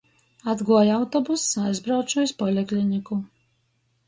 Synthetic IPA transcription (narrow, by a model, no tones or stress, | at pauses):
ad̪ɡuɔjawt̪ɔbusːajzbɾawt͡ʃuispɔlʲɛklʲinʲiku